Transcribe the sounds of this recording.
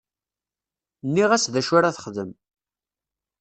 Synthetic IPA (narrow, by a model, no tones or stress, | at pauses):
nːiʁæsðæʃʊɾaθə̥χðəm